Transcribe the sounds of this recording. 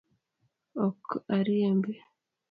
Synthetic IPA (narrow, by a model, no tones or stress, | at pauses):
okaɾiembe